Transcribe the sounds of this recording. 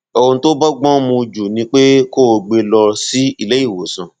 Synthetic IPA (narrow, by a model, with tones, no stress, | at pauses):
ɔ˧o˧to˦bɔ˦ɡ͡bɔ̃˦mũ˧d͡ʒu˨nĩ˧˦k͡pe˦ko˦˧ɡ͡be˧lɔ˧si˨˦i˦˨le˦i˦˨wo˨sã˨